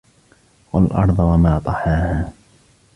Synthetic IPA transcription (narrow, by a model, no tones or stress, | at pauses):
walʔɑ̰ɾˤðˤwamaːt̪ˤɑħaːhaː